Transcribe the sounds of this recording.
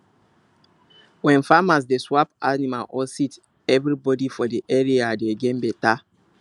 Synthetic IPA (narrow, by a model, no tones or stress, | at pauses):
wɛ̃nfamas̬deswapanimalʔɔsit | ɛvɾibɔdifɔdiʔɛɹiadeɡɛ̃nbeta